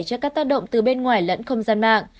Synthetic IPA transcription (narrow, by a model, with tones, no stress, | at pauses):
jt͡ɕɔ˧kaː˦˥k̚t̪aː˦˥k̚ɗə̰˧˨wŋ͡mt̪ɨ˨˩ɓe˧nŋwaː˨˩jlə̰˧˥nxə˧wŋ͡mzaː˧nma̰ː˧˨ŋ